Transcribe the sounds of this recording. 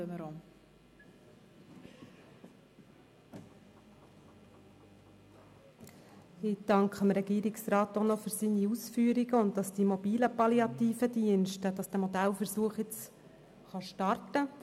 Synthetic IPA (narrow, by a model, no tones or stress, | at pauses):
øməɾom | ɪd̥ɑŋkχəmɾɛɡ̥iːəɾiksɾɑːtonɔfʏɾsiːniusfyːɾiɡəʊnt̚dɑsd̥imɔbiːləpɑliɑtiːfədiənʃtəd̥ɑsd̥æːmɔdælfəɾsuəχjɪt͡s | χɑʃtɑrtə